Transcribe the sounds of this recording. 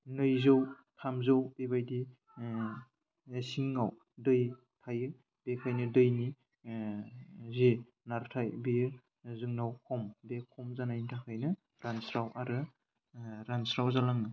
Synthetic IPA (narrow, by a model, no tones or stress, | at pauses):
nɯjzɯw | tʰamzɯweβajdi | esiŋːaw | dɯj | tʰajɯ | b̥ekʰajnɯdɯjni | zi | naɾtʰajbeɯ | zɯŋnawkʰɔmbekʰɔmzanajintʰakʰajnɯ | ɾansɾawʔaɾɯ | ɾansɾawzalaŋnɯ